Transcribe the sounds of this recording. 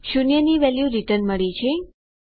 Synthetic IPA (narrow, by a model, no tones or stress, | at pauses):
ʃunjəniʋɛljuɾiʈənməɭit͡ʃʰe